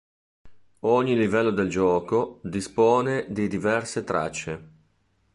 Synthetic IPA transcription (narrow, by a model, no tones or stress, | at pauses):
oɲːilivɛlːod̪eld͡ʒɔːkod̪ispɔːned̪id̪ivɛrset̪ɾa̰t͡ʃːe